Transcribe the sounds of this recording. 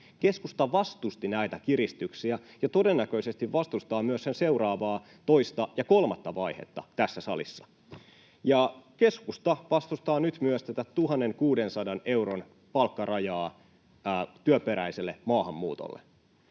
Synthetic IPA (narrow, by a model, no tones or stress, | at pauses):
ke̞skust̪ɑʋɑst̪ust̪inæjt̪ækirist̪yksiæ | jɑt̪o̞de̞nːækøise̞st̪iʋʋɑst̪ust̪ɑːmyøssense̞urɑːʋɑː | t̪o̞ist̪ɑjɑko̞lmɑt̪ːɑʋɑihḛt̪ːɑ̰t̪æsːæsɑ̰lḭsːɑ̥ | jɑke̞skust̪ɑʋɑst̪ust̪ɑːnyt̪myøst̪et̪æt̪t̪uɦɑnːeŋkuːdensɑdɑne̞uɾon | pɑlkːɑrɑjɑː | t̪yøpeɾæiselːemɑːhɑmːṵːt̪o̰lːḛ